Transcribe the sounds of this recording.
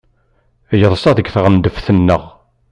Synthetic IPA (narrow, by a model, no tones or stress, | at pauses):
jəðˤsˤɑðəɡθʁənd̪əfθənːəʁ